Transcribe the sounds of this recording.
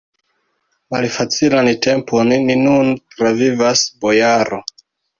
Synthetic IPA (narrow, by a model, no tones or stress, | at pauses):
malfat͡silante̞mpʰo̞nːinuntɾavivasbo̞jaɾo̞